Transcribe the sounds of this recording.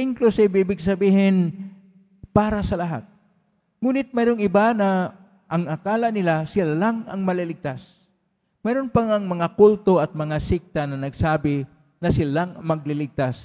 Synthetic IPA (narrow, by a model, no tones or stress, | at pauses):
ʔɪŋklʊsɪbɪbɪɡsɐbiːɦɪn | paːɾasɐlɐɦa̰t̪̚ | ŋuːnɪt̪̚mɛjɾoŋɪbana | ʔɐŋakaːlanɪlasɪlalaŋɐ̰ŋmɐlɪlɪɡ̚t̪as | mɛjɾonpaŋɐŋmɐŋakʊlt̪oʔɐt̪̚mɐŋasɪk̚t̪anɐnɐɡsaːbɪ | nɐsɪlalaŋmɐɡ̚lɪlɪɡ̚t̪as